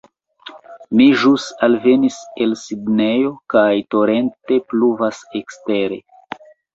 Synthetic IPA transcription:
miʒusalve̞nise̞lsidnejo̞kajto̞ɾe̞nte̞pluvase̞kste̞ɾe̞̰

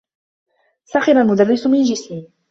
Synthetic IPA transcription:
saxɪɾalmʊd̪arːɪsmɪnd͡ʒɪsiː

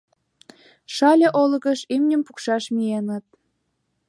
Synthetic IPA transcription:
ʃɑlʲĕʔolɣə̆ʃimnʲə̆mpukʃɑʃmienɑt̪̚

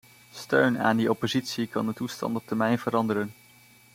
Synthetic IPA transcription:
støɥna̰ːndiɔpozitsikɑndətustɑ̰ntɔp̚tɛɹmɛjnv̥əɾɑndəɾən

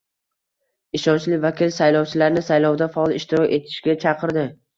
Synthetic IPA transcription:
ɪʃɒnt͡ʃlɪvakʲɪlsajlɒwt͡ʃʰɪlaɾnɪsajlˠɒwd̪afaɒlˠɪʃt̪ɪɾɒkʲe̞t̪ʰɪ̥ʃɡʲat͡ʃʰɑqʰɨɾd̪ɪ

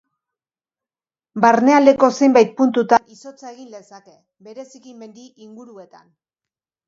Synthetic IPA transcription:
baɾne̞ald̪e̞ko̞se̞jmbajt̪̚punt̪ut̪aniso̞t͡saeɣinlesake̞ | be̞ɾe̞sikime̞nd̪iʔiŋɡuɾue̞t̪an

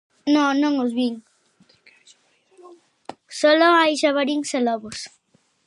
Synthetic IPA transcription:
nõnõŋozβiŋ | sɔloajʃaβaɾiŋselɔβos

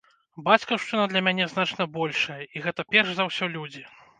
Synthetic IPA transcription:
bat͡sʲkɐʂt͡ʂɨnɐd̪lʲɐmʲanʲɛznat͡ʂnɐbɔlʲʂɐjɐʔiɣɛt̪ɐpʲɛrʂzɐwsʲɔlʲud͡zʲi

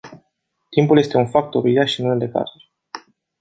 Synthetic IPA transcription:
t̪impulje̞st̪e̞unfak̚t̪oɾid̪aʃinuned̪e̞ka̰ɾuɾʲ

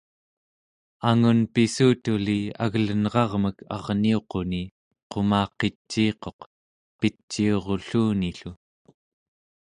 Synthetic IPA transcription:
aŋunpisuːt̪ulia̰ɣlənʁɑʁməkʰɑ̰ʁnio̞qo̞ni | qo̞mɑːqet͡ʃːiːqo̞q | pit͡ʃːio̞ʁo̞ɬuːniɬu

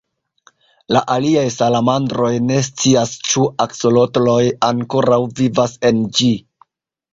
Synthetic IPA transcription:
laʔaliajsalamandɾo̞jne̞s̬t͡siast͡ʃuakso̞lo̞tlo̞jaŋko̞ɾawvivase̞nd͡ʒi

